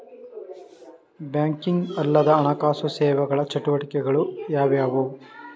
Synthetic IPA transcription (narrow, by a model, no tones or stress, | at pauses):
bjaːŋkiŋɡɐlːɐd̪ɐːnɐkaːsusɛːʋɐɡɐɭɐt͡ʃɐʈuʋɐʈikɛɡɐɭujaːʋjaːʋo